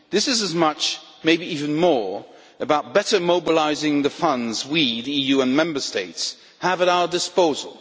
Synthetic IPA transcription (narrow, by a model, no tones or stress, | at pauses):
ðɪsɨzɨzmʌt͡ʃ | meɪbiivɨ̃nmɔɹ | ɨbaʊt̚b̥ɛɾə˞moʊbəlaɪzɪ̃ŋðɨfʌ̃ndzwiðiijʉə̃nmɛ̃mbə˞steɪts | həvəɾaʊə˞dɨspoʊzə̰l̩ˠ